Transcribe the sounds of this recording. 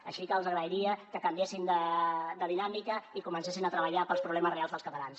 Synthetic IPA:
ə̰ʃikəːlˠzəɣɾəiɾiəkəkəmbiesind̪əd̪əðinamikəikumənsesinət̪ɾəβəʎapəlˠspɾuβlɛməzrealˠzðəlˠskət̪əlans

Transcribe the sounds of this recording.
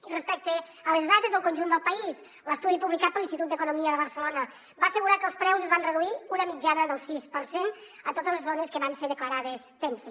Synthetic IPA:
irəspɛk̚t̪ə | ələzðat̪ezðəlˠkunʲʒund̪əlˠpəis | ləst̪uðipuβlikat̪pəlint̪it̪ut̪d̪əkunumiəðəβ̞əɾsəlonə | baːsəɣuɾakəlˠspɾɛwzəzβanrəðuiunəmid͡ʒanəðəlˠsispəɾsen | ət̪ot̪əzlezonəskəβanseɾðəkləɾaðəst̪ense

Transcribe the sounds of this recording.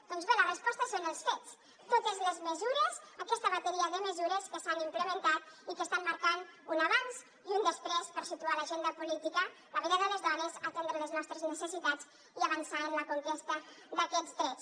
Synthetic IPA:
d̪ɔnzβelərəspɔst̪əsonəlˠsfet͡s | t̪ot̪əzləzməzuɾəzəkɛst̪əβat̪əɾiəðəməzuɾəskəsanimpləmənt̪at̪̚ikəst̪amməɾkanunaβanz | iund̪əspɾɛspəɾsit̪ualəʒend̪əpulit̪ikə | ləβəɾaðələzðɔnəzət̪ɛnd̪ɾələznɔst̪ɾəznəsəsit̪ad͡z | iəβ̞ənsaənləkuŋkest̪əd̪əkɛzd̪ɾɛt͡s

